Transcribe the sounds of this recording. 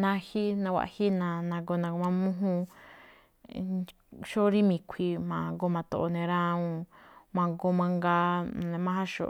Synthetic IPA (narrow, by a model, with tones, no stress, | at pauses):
nã˧hi˦nã˧wʷa̰˧ʔhi˦nã˧nã˧ɡo˧nã˧ɡo˧mã˧mũ˦ɦũ˦˧ | ʃo˦ɾi˦mĩ˨kʷʰi˧mã˨˧ɡo˧mã˨˧t̪o˧ʔo˧nẽ˧ɾã˦ũ˧mã˧ɡo˧mã˧ŋɡa˧˦˧nẽ˧mã˦˧hã˦ʃo̰˧˨